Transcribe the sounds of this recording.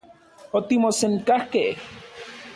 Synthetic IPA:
ot̪imoseŋkahkeh

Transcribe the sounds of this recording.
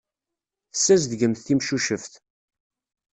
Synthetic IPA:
θəsːæzd̪ɡəmθθimʃuʃəfθ

